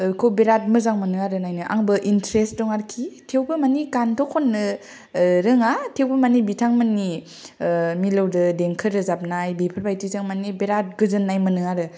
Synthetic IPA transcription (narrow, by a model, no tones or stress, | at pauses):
kʰowbeɾat̚mɯzaŋmɯnɯŋaɾɯnajnɯʔaŋbɯʔintɾestdɔŋaɾkʰitʰewbɯmanikantʰɔkʰɔnːɯ | ɾɯŋatʰewbɯmanibitʰaŋmanːi | milɯwdɯdeŋkʰɯɾɯzap̚najbepʰɯɾbajtizaŋmanibeɾat̚ɡɯzɯnːajmɯnɯŋaɾɯ